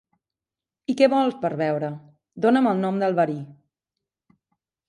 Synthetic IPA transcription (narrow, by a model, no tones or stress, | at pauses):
ikɛβɔlˠspəɾβɛwɾə | d̪onəməlˠnɔmd̪əlˠβəɾi